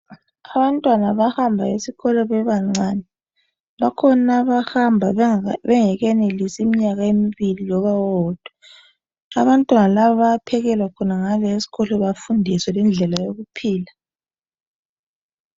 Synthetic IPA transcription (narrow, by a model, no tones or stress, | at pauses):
aβantʼwanaβahambʱaesiɣɔlɔβɛβaŋ͡ǀanɛ | βakʰɔnaβahambʱaβɛŋɛɣɛnelisimiɲaɣaemiβilijɔβawɔd̥ʱwɔ | a̰βantʼwanalaβaβapʰɛɣɛlwakʰɔnaŋalɔesi̥ɣɔlɔβafundʱiswɛlɛnd͡ɮʱɛlajoɣupʰiːla